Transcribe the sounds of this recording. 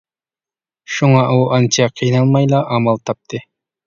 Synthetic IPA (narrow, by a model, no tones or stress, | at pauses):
ʃuŋɑʔuʔɑnt͡ʃʰɑqʰijnɑlˠmɑjlˠɑʔɑmɑlˠt̪ʰɑp̚t̪ʰɨ